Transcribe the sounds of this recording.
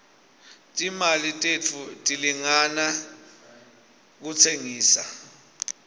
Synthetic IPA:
tʼimalitʼet͡fʰutʼiliŋana | k̬utʰeŋiːsa

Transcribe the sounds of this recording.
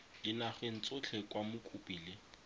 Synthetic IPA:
lɪnaχwen̩t͡sʼʊt͡ɬʰɛkʼwamʊkʼupʼiːlɪ

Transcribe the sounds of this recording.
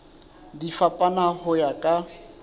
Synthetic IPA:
difapʼanahʊjakʼa

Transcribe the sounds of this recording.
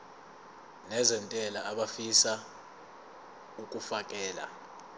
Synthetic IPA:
nɛzɛntʼɛlaːɓafisa | ukʼufakʼɛːla̰

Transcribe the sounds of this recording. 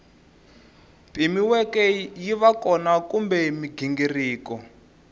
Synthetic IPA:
pʼimiwɛkɛjiβakɔnakumbɛmiɡʱiŋɡiriːkɔ

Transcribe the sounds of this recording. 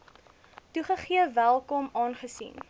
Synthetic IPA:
tuχəχiəvælˠkɔmɑːnχəsḭn

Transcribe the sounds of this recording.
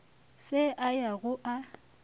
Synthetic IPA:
sɪʔajaɣʊʔa

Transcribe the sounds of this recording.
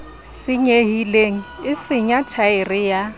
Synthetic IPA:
sɪɲeɦileŋ̩ɪsɪɲatʰaɪrɪja

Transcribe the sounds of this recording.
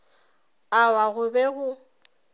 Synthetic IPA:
awaɣʊbɛɣʊ

